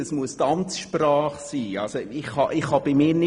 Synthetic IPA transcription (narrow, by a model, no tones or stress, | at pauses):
əsmuəst̪ɑmt͡sʃprɑːχsiːɑ̰lsoɪχhɑʔɪχhɑb̥imɪːɾnɪ